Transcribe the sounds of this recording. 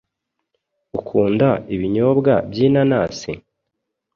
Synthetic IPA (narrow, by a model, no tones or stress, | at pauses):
ukʰuːndaiβiɲo̞bɡabjiːnanaːse